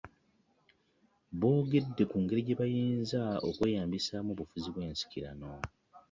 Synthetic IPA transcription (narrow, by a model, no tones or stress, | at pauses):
βo̞ːɡe̞dːe̞kuːŋɡe̞ɾiɟe̞βajiːnzao̰kwe̞ːjaːmbisaːmuβufuziβwe̞ːnsi̥ciɾa̰no̞